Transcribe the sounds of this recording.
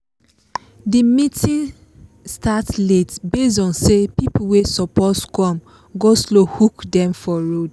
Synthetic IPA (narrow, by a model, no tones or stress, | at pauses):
dimitĩn | statletbes̬ɔ̃nsepipuwesɔpɔtkɔ̃m | ɡoslohukdɛ̃mfɔɹod